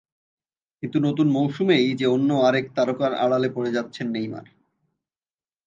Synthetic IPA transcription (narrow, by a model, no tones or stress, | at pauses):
kint̪unot̪unmowʃumejd͡ʑeonːoaɾek̚t̪aɾokaɾa̰ɽalepoɽed͡ʑatːɕʰenːejma̰ɾ